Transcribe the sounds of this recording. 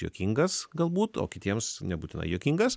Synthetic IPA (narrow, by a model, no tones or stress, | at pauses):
jo̰ːkʲiŋɡɐsɡɐlˠbuːt̪o̰ːkʲɪt̪ʲiɛmsnʲɛbuːt̪ʲɪnɐ̰ɪjoːkʲiŋɡɐs